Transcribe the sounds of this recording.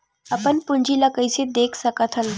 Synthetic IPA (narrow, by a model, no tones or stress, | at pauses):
əpənpuɲd͡ʑiləkəjt͡ɕed̪ekʰsəkət̪ʰəl